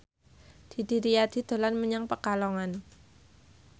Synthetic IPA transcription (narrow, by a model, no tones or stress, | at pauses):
d̪̥i̤d̪̥i̤ɾiad̪̥i̤d̪̥o̤lanməɲaŋpəkalɔŋan